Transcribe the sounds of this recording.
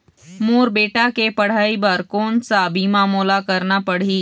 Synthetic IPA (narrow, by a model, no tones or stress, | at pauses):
moːɾbeːʈakepɐɽ̤aːibaːɾkoːnsabʱimaːmuːlakɐɾnapɐɽ̤iː